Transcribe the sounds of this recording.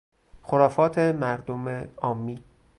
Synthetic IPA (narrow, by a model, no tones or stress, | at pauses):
xoɾɒːfɒːt̪ʰemæɾd̪omeɒːmːiː